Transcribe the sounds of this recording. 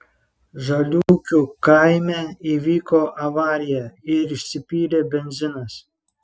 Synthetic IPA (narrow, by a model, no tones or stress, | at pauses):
ʒɐlʲuːkʲukɐɪmʲɛiʋʲiːkoːʔɐʋɑːɾʲɪjɛɪɾɪʃʲsʲɪpʲiːɾʲebʲɛnʲzʲɪnɐs